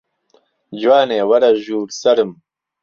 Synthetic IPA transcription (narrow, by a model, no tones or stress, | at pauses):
d͡ʑwaːneːwɐɾɐʒuːɾsɐɾɨm